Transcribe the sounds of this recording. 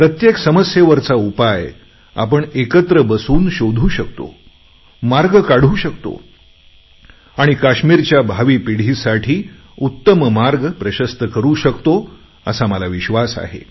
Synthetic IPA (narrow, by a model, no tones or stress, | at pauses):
pɾət̪jeksəməsjeʋəɾt͡saupaj | a̰pəɳekət̪ɾəbəsuːnɕod̪ʱuːɕək̚t̪o̰ | maɾɡkaɽ̤uːɕəkt̪o̰ | aɽ̃ikaɕmiɾt͡ɕjabʱaʋiːpiɽ̤iːsaʈʰiː | ut̪ːəməmaɾɡpɾəɕəst̪əkəɾuɕəkt̪o | əsaməlaʋiɕʋasa̰ɦḛ